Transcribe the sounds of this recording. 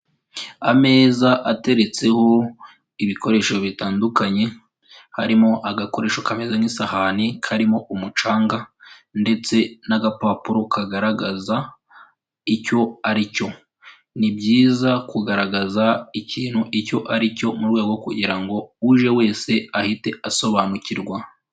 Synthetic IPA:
ame̞ːzaʔate̞ɾet͡se̞ho̞ | iβiko̞ɾe̞ːʃo̞βitaːndukaɲe̞ | ha̰ɾimo̞ʔaɡako̞ɾe̞ːʃokame̞zanisahanikʰaɾimo̞ʔumut͡ʃaːŋɡande̞t͡se̞naɡapaːpuɾo̞kʰaɡaɾaɡaza | ico̞aɾico̞ | nibɟiːzakuɡaɾaɡazaiciːnhuʔico̞ʔaɾico̞muɾɡwe̞ːɡo̞kuɟiɾaŋɡo̞uʒe̞we̞ːse̞ahite̞aso̞βaːnuciɾɡwa

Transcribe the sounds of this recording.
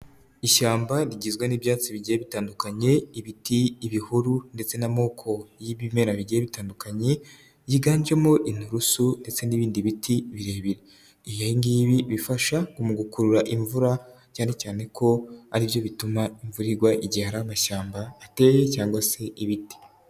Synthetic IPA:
iʃaːmbaɾiɟizɡwaniβjaːt͡siβiɟijeβitaːndukaɲe̞iβitiːβihuɾunde̞t͡se̞namo̞ːkʰo̞jiβime̞ɾaβiɟijeβitaːndukaɲe̞ | jiɡaːɲd͡ʒe̞moʔin̥uɾusunde̞t͡se̞niːβiːndiβitʰiβiɾe̞ːβiɾe | ijoiŋɡiːβiβifaʃakumuɡukuɾuɾaʔiɱvuɾa | caːne̞caːne̞kʰo̞aɾiβjo̞βitumaiɱvuɾiɾɡwaʔiɟihaɾamaʃaːmbaːte̞jecaːŋɡwase̞ʔiβiti̥

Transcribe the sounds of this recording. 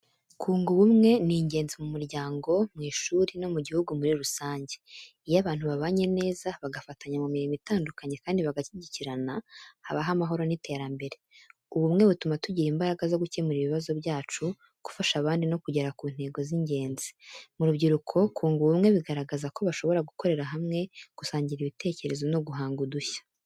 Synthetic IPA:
kʰuːŋɡuβumŋe̞niɲɟeːnzimumuɾɟaːŋɡo̞mŋiːʃuːɾino̞muɟihuɡumuɾiɾusaːɲɟe̞̥ | ijaβaːn̥huβaβaːɲe̞ne̞ːzaβaɡafataɲamumiɾimitaːndukaɲe̞kaːndiβaɡaciɟiciɾanahaβaɦamaɦo̞ɾo̞nitʰe̞ːɾambe̞ɾe̞ | uβumŋe̞βutumatuɟiɾiːmbaɾaɡazo̞ɡucemuɾiβiβazo̞βjaːt͡ʃu | ɡ̥u̥faʃaβaːndino̞kuɟeɾakuːn̥he̞ːɡo̞ziɲɟe̞ːnzi̥muɾubɟiɾukʰo̞kʰuːŋɡuβumŋe̞βiɡaɾaɡazako̞βaʃo̞βo̞ɾaɡuko̞ɾe̞ɾaɦamŋe̞ɡ̥usaːɲɟiɾiβite̞ːce̞ɾe̞zo̞no̞ɡuɦaːŋɡuduçḁ

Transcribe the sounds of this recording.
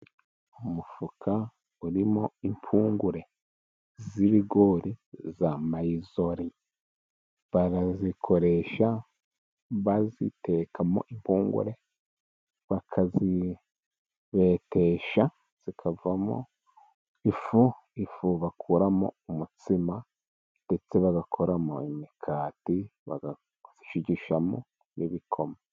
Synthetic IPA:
umufukʰa | uɾimoimpʰuːŋɡuɾe̞ | ziβiɡoɾizamaizoɾi | βaɾazikʰo̞ɾe̞ʃa | βazḭte̞kamo̰ʔimpuːŋɡṵɾe | βakʰazi | βe̞te̞ʃa | z̥ikʰavamo̰ | ifu | ifuβakʰuɾamo̰umut͡sima | nde̞t͡se̞βaɡakʰoɾamo̰imikʰaːtiβa̰ɡa | z̥iʃiɟiʃamo̰ | nḭβikʰo̞ma

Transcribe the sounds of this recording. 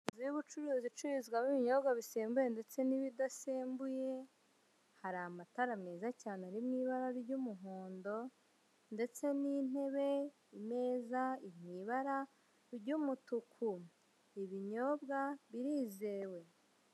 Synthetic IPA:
ziβut͡ʃuɾuːzit͡ʃuɾizɡwamiβiɲo̞bɡaβiseːmbuje̞nde̞t͡se̞niβidaseːmbuje̞ | haɾamataɾameːzacaːneaɾimŋiːβaɾaɾɾɟumuɦoːndo̞ | nde̞t͡se̞nin̥e̞βe̞ | ime̞ːzaimŋiːβaɾa | ɾɟumutukʰu | iβiɲo̞ːbɡaβiɾiːze̞ːwe̞

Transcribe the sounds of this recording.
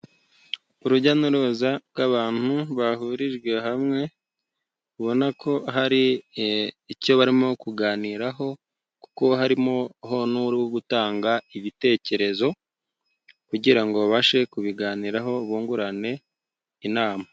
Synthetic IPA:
uɾuɟanuɾozabɡaβaːn̥huβaɦuɾiʒɡwe̞ɦamŋe̞ | uβo̞nakʰo̞ɦaɾiː | co̞βaɾimo̞kuɡaːniːɾaɦo̞ | ku̥ko̞ɦaɾimo̞ɦo̞nuɾiwoɡutaːŋɡaiβite̞ːce̞ɾe̞zo̞ | kuɟiɾaŋɡo̞βaʃe̞kuβiɡaːniːɾaɦo̞βuːŋɡuɾane̞ | inaːma

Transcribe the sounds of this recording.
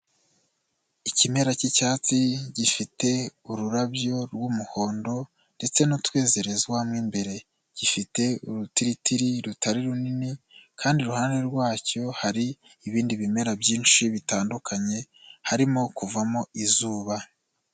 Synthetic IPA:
icime̞ɾacicaːt͡siɟifite̞uɾuɾabjo̞ɾɡumuho̞ːndo̞ | nde̞t͡se̞nutwe̞ːze̞ɾe̞zɡwamŋiːmbe̞ɾe̞ | ɟ̥ifite̞uɾutiɾitiɾiɾutaɾiɾuninikʰaːndiɾuhananeɾɡwaːco̞haɾiː | βiːndiβime̞ɾabjiːnʃiβitaːndukʰaɲe̞ | haɾimo̞kuvamo̞izuːβa

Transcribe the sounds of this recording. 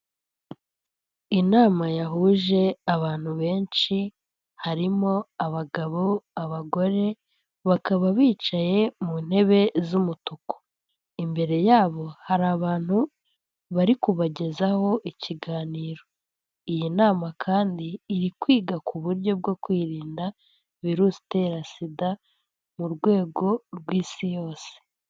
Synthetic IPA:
inaːmajaɦuʒe̞aβaːn̥huβe̞ːnʃi | haɾimo̞aβaɡaβo̞aβaɡo̞ɾe̞ | βakaβaβiːt͡ʃaje̞mun̥he̞βe̞zumutuko̥ | imbe̞ɾe̞jaːβo̞haɾaβaːn̥hu | βaɾikuβaɟe̞zaho̞ʔiciɡaːniːɾo̞ | ijinaːmakʰaːndiːɾikwiːɡakʰuβuɾjo̞b̚ɡo̞kwiːɾiːnda | viɾusi̥te̞ɾasida | muɾɡwe̞ːɡo̞ɾɡwiːsijo̞ːse̥

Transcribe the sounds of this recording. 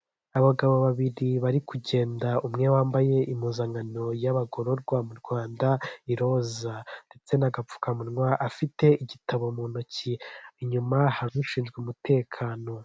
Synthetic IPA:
aβaɡaβo̞βaβiɾiβaɾikuɟe̞ːndaumŋewaːmbaje̞ʔimuːzaŋɡano̞jaβaɡo̞ɾo̞ɾɡwamuɾɡwaːndaiɾo̞zande̞t͡se̞naɡap͡fu̥kamunŋwaʔafite̞iɟitʰaβo̞muːnociiɲumahaɾuuʃiːnzɡweumute̞ːkʰaːno̞

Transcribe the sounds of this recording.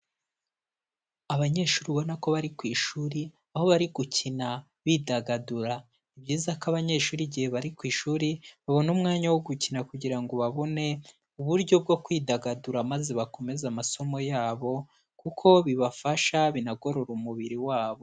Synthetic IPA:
aβaɲe̞ːʃuːɾiβo̞nako̞βaɾikwiːʃuːɾi | aho̞βaɾiɡucʰina | βidaɡaduɾa | ibɟiːzakaβaɲe̞ːʃuːɾiɟihe̞βaɾikwiːʃuːɾiβaβo̞numŋaːɲawoɡucinakuɟiɾaŋɡo̞βaβo̞ne̞ | uβuɾɟo̞b̚ɡo̞kwiːdaɡaduɾamaze̞βako̞me̞zamaso̞mo̞jaːβo̞ | kukʰo̞βiβafaʃaβinaɡo̞ɾo̞ɾumuβiɾiwaːβo̞

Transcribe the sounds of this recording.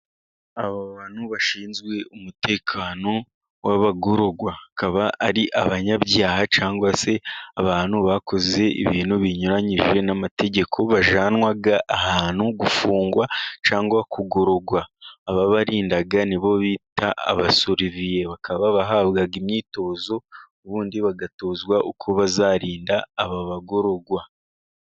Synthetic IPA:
aβaβaːnhuβaʃiːnzɡwe̞umute̞ːkʰaːno̞ | waβaɡoɾo̞ɡwaakaβaːɾiʔaβaɲaβjaːhat͡ʃaːŋɡwase̞aβaːnuβakʰo̞ze̞ḭβiːnuβiɲuɾaɲiʒe̞namate̞ɟe̞kʰo̞βaʒaːnwaɡaʔːɦaːnhuɡufuːŋɡwat͡ʃaːŋɡwakuɡo̞ɾo̞ɡwaːβaβaɾiːndaɡaniβo̞βiːta̰ːβasoɾivije̞βakʰaβaβaɦaːβɡaɡimɲiːto̞ːzo̞oβuːndiβaɡato̞ːzwaʔokʰoβazaɾiːndaːβaβaɡo̞ɾo̞ɡwa

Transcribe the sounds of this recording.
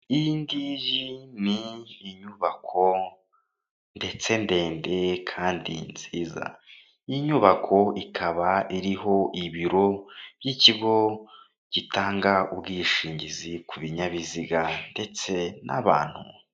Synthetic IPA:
indiʒiniːɲuβakʰo̞ | nde̞t͡se̞nde̞ːnde̞kʰaːndḭnz̥iːza̰ | iɲuβakʰo̞ikʰaβaʔiɾiɦo̞ʔiβiɾo̞b̥jiciɡo̞ | ɟ̥itaːŋɡaubɡiːʃiːɲɟizikuβiɲaβiziɡande̞t͡se̞na̰βa̰ːn̥hṵ

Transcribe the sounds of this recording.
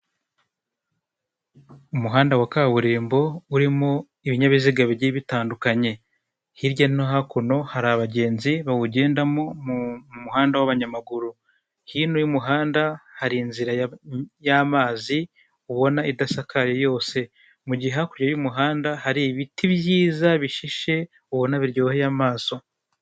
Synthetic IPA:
umuɦaːndawakaːβuɾeːmbo̞uɾimo | iβiɲaβiziɡaβiɾɟiβitaːndukaɲe̞ | hiɾɟaninoɦakuno̞haɾaβaɟe̞ːnziβawuɟe̞ːndamomumumuhaːndawaβaɲamaɡuɾu | hinujumuɦaːndahaɾinziɾajamaːzi | uβo̞naidasakʰajejo̞ːse̞ | muɟiɦakuɾɟajumuɦaːndahaɾiβitiβjiːzaβiʃiʃe̞ | uβo̞naβiɾɟo̞ːhejamaːso̞

